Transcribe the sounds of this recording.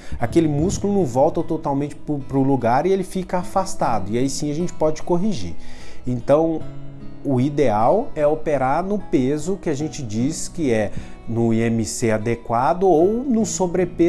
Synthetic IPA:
akelɪmuskulʊnɐ̃w̃vɔwt̪ɐt̪ot̪awmẽnt͡ʃɪ̥pʊpɾʊluɡaɾɪelɪfikɐafast̪ad̪ʊɪaisĩɐʒẽnt͡ʃɪ̥pɔd͡ʒɪ̥koɦiʒḭẽnt̪ɐ̃w̃ | ʊid̪eawɛopeɾaɾnʊpezʊkɪaʒẽnt͡ʃɪd͡ʒiskɪɛ | nʊẽmɪsead̪ekwad̪ʊownʊ̃sobɾepe

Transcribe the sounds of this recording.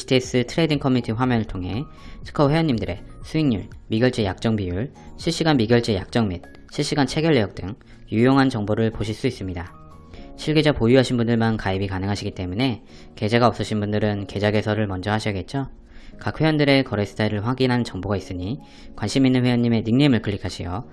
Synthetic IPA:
stʰies͈ɯtʰɯɾe̞diŋkʰʌmiitʰiɸwamjʌnɯɭtʰoŋɦe̞ | sʰɯ̥kʰʌwe̞jʌɲːimdɯɾe̞̰sʰuiŋɲṵɭmiɡjʌɭt͡ɕ͈ejak̚t͡ɕ͈ʌŋbijuɭ | ɕʰiɭɕ͈iɡanmiɡjʌɭt͡ɕ͈eja̰k̚t͡ɕ͈ʌŋmid̚ | ɕʰiɭɕ͈iɡant͡ɕʰe̞ɡjʌɭːejʌk̚t͈ɯŋ | jujoŋɦant͡ɕʌŋboɾɯɭpoɕʰiɭs͈uis͈ɯmɲida | ɕʰiɭɡe̞d͡ʑapojuɦaɕʰinbundɯɭmankaibikanɯŋɦaɕʰiɡit͈e̞mune̞ | ke̞d͡ʑe̞ɡaʌp̚s͈ʌɕʰinbundɯɾɯnke̞d͡ʑaɡe̞sʰʌɾɯɭmʌnd͡ʑʌɦaɕʰiʌɡe̞t̚t͡ɕ͈o | kak̚ʰwe̞jʌndɯɾe̞kʌɾesʰɯ̥tʰaiɾɯɭɸwaɡinɦannt͡ɕʌŋboɡais͈ɯɲi | kwanɕʰiminːɯnɸwe̞jʌnɲːime̞niŋnemɯɭkʰɯɭːikʰaɕʰijo

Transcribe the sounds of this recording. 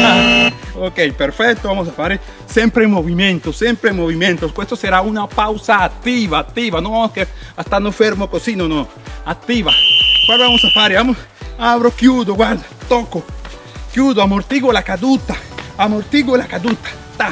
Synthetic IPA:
aokejpeɾfɛk̚t̪oβamosafaɾe | sempɾemoβimjẽnt̪osjempɾemoβimjẽnt̪oskwest̪oseɾaunapawsaːt̪ːiβaːt̪ːiβanoaoskeast̪aɾnofeɾmokosinono | at̪ːiβakwaɾβamosafaɾeβamos | aβɾokjud̪oɡwaɾd̪at̪oko | kjuðoamoɾt̪iɣolakad̪ut̪aamoɾt̪iɣoelakad̪ut̪ḁ | t̪a

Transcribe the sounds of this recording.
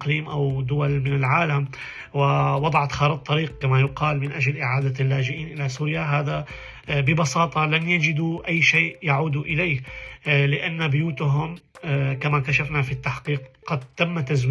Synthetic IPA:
qliːmʔawd̪ʊwalmɪnɪlʕaːlam | wɪwɑd̪ˤɑʕɑt̪xɑːɾɨt̪ˤːɑɾiːq̚kamajʊqɑːlmɪnʔad͡ʒalʔɪʕaːd̪alːaːd͡ʒɪʔiːnʔɪlasuːɾjaɦaːða | bɪbɑsɑːt̪ˤɑlanjad͡ʒɪd̪uʔajːʃeːʔjaʕuːd̪uʔɪlejhlɪʔanːabʊjuːt̪ɦʊmkamakaʃafnafit̪ːaħqiːqqɑd̪̚t̪ːamːat̪azw

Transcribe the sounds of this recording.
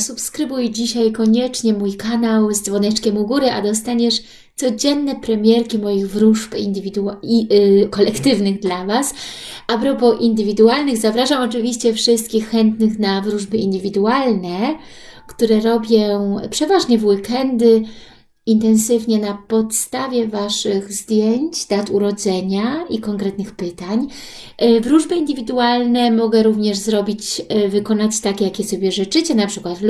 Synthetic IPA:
supskɾɘbujd͡ʑiɕajkɔɲɛt͡ʂɲɛmujkanawzd̪zvɔnɛt͡ʂkʲɛmuɡuɾɘʔad̪ɔst̪aɲɛʂ | t̪sɔd͡ʑɛnːɛpɾɛmʲjɛɾkʲimɔjiɣvɾuʐpind̪ɘvʲid̪u | kɔlɛkt̪ɘvnɘɣd̪lavasapɾɔpɔʔind̪ɘvʲid̪ualnɘɣzavɾaʐamɔt͡ʂɘvʲiɕt͡ɕɛfʂɘst̪̚kʲixːɛnt̪nɘxnavɾuʐbɘind̪ɘvʲid̪ualnɛ | kt̪uɾɛɾɔbʲjɔ̃pʂɛvaʐɲɛvwikɛnd̪ɘ | int̪ɛnsɘvɲɛnapɔt̪st̪avʲjɛvaʂɘɣzd̪ʲjeɲt͡ɕd̪̥at̪uɾɔd̪zɛɲaikɔŋkɾɛt̪nɘxpɘt̪aɲ | vɾuʐbɘind̪ɘvʲid̪ualnɛmɔɡɛɾuvɲɛʐzɾɔbʲit͡ɕvɘkɔnat͡ɕt̪akʲɛjakʲɛsɔbʲjɛʐɘt͡ʂɘt͡ɕɛnapʂɘkwat̪

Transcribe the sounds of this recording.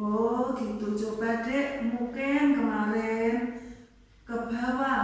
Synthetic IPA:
oɡ̥it̪ud͡ʒobad̥ɛʔmukɪnkəmaɾɛn | kəb̥a̤wa

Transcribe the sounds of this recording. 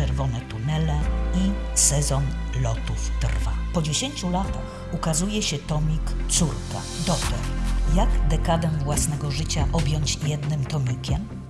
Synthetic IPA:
ɛɾvɔnɛt̪unɛlɛisɛzɔnlɔt̪uft̪rvapɔd͡ʑeɕeɲt͡ɕulat̪ax | ukazujɛɕɛt̪ɔmʲikt̪suɾka̰d̪ɔkt̪ɔɾjaɡd̪ɛkad̪ɛvwasnɛɡɔʐɘt͡ɕaʔɔbʲjɔɲt͡ɕjɛd̪nɘmt̪ɔmʲikʲɛm

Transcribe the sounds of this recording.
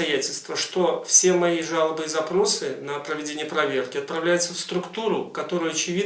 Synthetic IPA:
ɐjætʲɪlʲst̪vəʂt̪o̞fsʲe̞mɐiʐalˠəbɨzɐpɾo̞sɨnəpɾəvʲɪdʲenʲɪjəpɾɐvʲerkʲɪɐt̪̚pɾɐvlʲæjʊt̪səfst̪ɾʊkt̪uɾʊkɐt̪o̞ɾʊjʊɐt͡ɕɪvʲi

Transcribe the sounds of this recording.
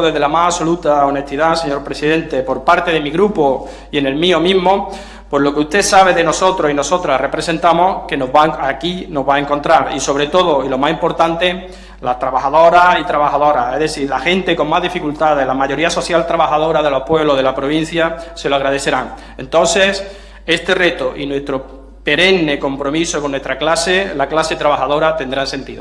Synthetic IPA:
ðe̞ðelamaɦaso̞lut̪aone̞ht̪iðase̞ɲo̞ɾpɾe̞siðẽ̞nt̪e̞po̞ɾpaɾt̪e̞ðe̞miɣɾupo̞ | ie̞ne̞lmio̞mĩɦmo̞ | pwo̞zlo̞keust̪e̞saβ̞e̞ðe̞no̞so̞t̪ɾo̞sino̞so̞t̪ɾare̞pɾe̞se̞nt̪amo̞hke̞no̞ɦβaakino̞zβae̞ŋko̞nt̪ɾaɾiso̞β̞ɾe̞t̪o̞ð̞o̞ilo̞masimpo̞ɾt̪ant̪e̞ | last̪ɾaβaxaðo̞ɾait̪ɾaβaxaðoɾaeɦðeθiɾlaxẽ̞nt̪e̞ko̞ŋmaɦðifikult̪aðe̞lamaʝo̞ɾiaso̞θjalt̪ɾaβaxaðo̞ɾaðe̞lo̞hpwe̞βlo̞ɦðe̞lapɾo̞β̞ĩn̟θjase̞loaɣɾað̞e̞θe̞ɾaŋ | ẽ̞̰nt̪õ̞n̟se̞s | e̞st̪e̞re̞t̪oʔinwe̞st̪ɾo | pe̞ɾe̞nne̞ko̞mpɾo̞misoko̞nːwe̞st̪ɾaklase̞laklase̞t̪ɾaβaxaðo̞ɾat̪e̞nd̪ɾanse̞nt̪iðo̰

